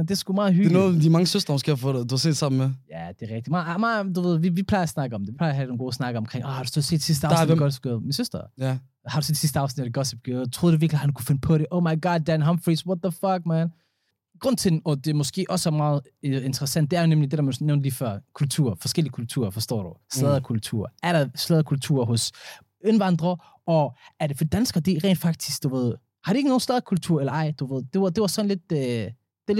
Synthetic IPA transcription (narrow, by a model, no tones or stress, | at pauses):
end̥esɡ̥umɑ̈ːð̩ˠhynoːdimɑ̈ŋəsøsd̥ʁɐmɔsɡ̥e̝̰ːhafɔːd̥uhɑse̝̰ːd̥sɑ̈mn̩mejæd̥e̝ʁɛɡ̥̚d̥imɑ̈ːð̩ˠæmɑːd̥uʋe̝ð̰ˠʋiʋipʰl̥ɑ̈ɪɐsnɑ̈ɡ̥əɒ̽md̥eʋipʰlɑ̈ɪɐɦædnonɡo̝ːsnɑ̈ɡ̥əɒ̽mkʰʁeŋʔɒhɑ̈ɾ̥usese̝̰ːd̥sisd̥əɑ̰ʊsiɡɔsɡ̥øð̩ˠminsøsd̥ɐ | hɑ̈ɾuse̝ːd̥sisd̥əɑ̈ʊsnid̥dɡɒseb̚ɡ̥øt͡sʰʁo̝ðˠduʋiɐklihænukʰu̥fe̝nəpʰɔ̽ɾeʔoʊmɑɪɡ̥ɑd̚dænɦɑmfʁiswɒt̚ðəfʌɡ̥̚mæn | ɡ̥ʁɔ̽n̰t͡sʰe̝d̥n̩ɒ̽d̥e̝mɔ̽sɡ̥e̝̰ːʔɒ̽sæɐmɑ̈ːð̩ˠ | e̝nt͡sʰəʁɛsæn̰d̥̚e̝æɐnemlid̥e̝ɾæmænneʊndliːfɐkʰult͡sʰṵːɐfɒ̽sɡ̥el̰iəkʰult͡sʰṵːɐfɒsd̥ɔ̰ːɾ̥uslɛðˠɐkʰult͡sʰṵɐ̰æɐɾɑslɛð̞ˠɐkʰult͡sʰṵɐ̰ɦɔ̽s | enʋɑ̈nd̥ʁɐ | ɒ̽æɐɾe̝fɒd̥id̥ænsɡ̥ɐd̥iʁɛ̰ːnd̥fɑ̈ɡ̥̚d̥ʰi̥sɡ̥d̥uʋe̝ð̰ˠ | hɑ̈ɾue̝ɡ̥əno̝ːn̩slɛðˠɐkʰult͡sʰuɐ̰elɐɑ̈ɪ̰d̥uʋe̝ð̞̰ˠd̥e̝ɑd̥e̝ʋɑsɒ̽nle̝d̥ø | d̥e̝l